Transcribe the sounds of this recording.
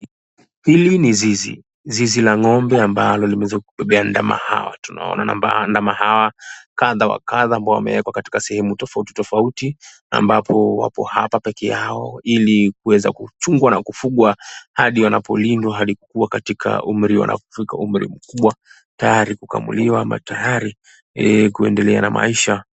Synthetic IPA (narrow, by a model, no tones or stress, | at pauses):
hilinizizḭ | zizilaŋɔmbɛambalɔlimɛɛzakuɓɛɓɛanda̰ma̰ha̰wa̰tuna̰ɔ̰nana̰mbandamahawakaðawa̰kaðaːmbaɔwa̰mɛ̰wɛkwakati̥kasɛhɛmutɔfauti̥tɔfauti | a̰mbapʰɔwa̰pɔhapapɛkɛjaɔilik̚uwɛza̰kut͡ʃuŋɡwanakufuɠwahaɗiwanapɔlindwaɦaɗikukuwakatikʰa̰ʔum̩ɾiwa̰nʔa̰pɔ̥fikaum̩ɾḭm̩kuɓwa | tajaɾikuka̰mṵliwama̰tajaɾi | kuɛndɛlɛanamʔa̰iʃa